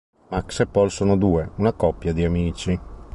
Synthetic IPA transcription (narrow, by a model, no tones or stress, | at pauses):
maksepːɔlsoːnod̪uːeunakɔpːjad̪iamiːt͡ʃi